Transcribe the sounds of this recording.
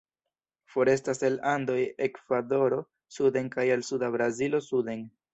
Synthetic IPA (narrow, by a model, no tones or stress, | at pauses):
fo̞ɾe̞staselando̞jekv̥ado̞ɾo̞ | sude̞ŋkajelsudabɾazilo̞sude̞n